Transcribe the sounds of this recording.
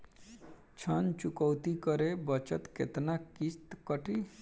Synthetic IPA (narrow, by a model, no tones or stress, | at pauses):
t͡ʃʰənt͡ʃukəwt̪ikəɾebət͡ʃət̪kḛt̪nakist̪kəʈi